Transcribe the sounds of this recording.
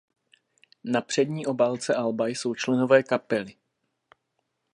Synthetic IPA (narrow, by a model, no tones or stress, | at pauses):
napr̝̥ɛdɲiːʔo̞baːlt͡sɛʔalbajso̞wt͡ʃlɛno̞vɛːkapɛlɪ